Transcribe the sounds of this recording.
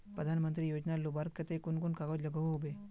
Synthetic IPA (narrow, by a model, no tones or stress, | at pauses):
pɾəd̪ʱanmənt̪ɾijod͡ʒnalubaɾət̪ekunkunkaɡod͡ʒləɡəʋɦobe